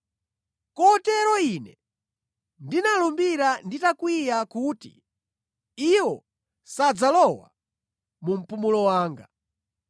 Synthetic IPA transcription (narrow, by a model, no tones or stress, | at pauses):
kɔtɛɾɔinɛ | ndinalumbiɾanditakwijakuːtḭ | iwɔ | sad͡zalɔwa̰ | mum̩pumulɔwaːŋɡa